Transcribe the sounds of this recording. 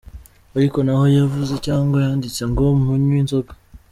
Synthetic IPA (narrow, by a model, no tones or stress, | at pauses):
aɾiko̞naho̞javuzecaːŋɡwajaːndit͡seŋɡomuhuɲwiːnzoɡa